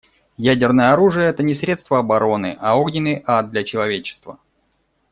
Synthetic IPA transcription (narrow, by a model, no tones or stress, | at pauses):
jædʲɪrnəjəɐɾuʐɨjəɛt̪ənʲɪsɾʲe̞t̪st̪vəɐbɐɾo̞nɨ̰ʔaoɡnʲɪnːɨjʔat̪̚d̪lʲɐt͡ɕɪlˠɐvʲet͡ɕɪ̥st̪və